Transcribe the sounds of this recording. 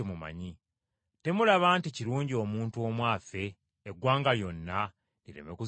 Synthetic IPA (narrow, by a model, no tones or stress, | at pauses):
emuma̰ɲi | te̞mulaβaːnticiɾuːɲɟio̞ːmuːntuo̞mwaːfe̞ː | ɡwaːŋɡajo̞nːa | niɾe̞̰meku